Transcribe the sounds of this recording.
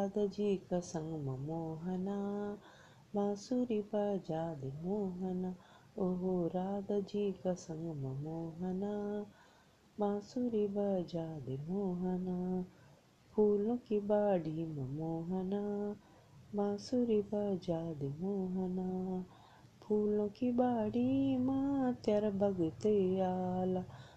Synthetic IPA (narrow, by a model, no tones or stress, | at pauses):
ad̪ɐd͡ʒikɐsɐŋɡmɐmoːɦɐna | maːsuɾibad͡ʒaːd̪emoːɦɐna | oɦoɾaːd̪ɐd͡ʒiːkɐsɐ̃ŋɡmɐmoːɦɐna | maːsuɾibɐd͡ʒaːd̪emoːɦɐna | pʰuːlõkibaːɽimɐmoːɦɐna | mãːsuɾibɐd͡ʒaːd̪emoːɦɐna | pʰuːlõkibaːɽimãt̪jɐɾbɐɡʊt̪eaːla